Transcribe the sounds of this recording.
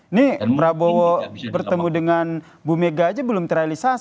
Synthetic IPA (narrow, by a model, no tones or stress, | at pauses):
nipɾabowɔbərt̪əmudəŋan | bumeɡaːd͡ʒabəlʊmt̪əɾalisa